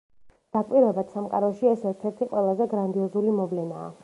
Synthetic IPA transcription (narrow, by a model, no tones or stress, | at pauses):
d̪̥akʼwiɾɛbad̪̥samqʼa̰ɾɔʃiɛsɛɾt̪ʰɛɾt̪ʰiqʼwɛlˠazɛɡɾand̪iɔzulimɔvlɛna̰ː